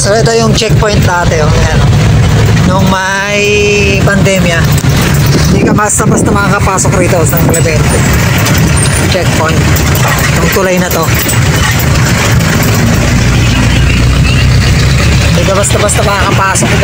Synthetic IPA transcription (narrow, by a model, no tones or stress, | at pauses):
sɛɾʔɛt̪o̞jʊŋt͡ʃɛk̚pojnt̪d̪aːt̪ɛoɐno | nʊŋmɐ | j | pɐnd̪ɛːmjɐ | hɪnd̪ikɐmɐst̪ɐbɐst̪ɐmɐkakɐpaːsok̚sɐɪt̪o̞sɐŋklɛbɛnt̪o | t͡ʃɛk̚pojnt̪̚ː | nʊŋt̪ʊlajnɐt̪o̞ | ɪnd̪ikɐbɐst̪ɐbɐst̪ɐbɐɐŋkɐpaːsok̚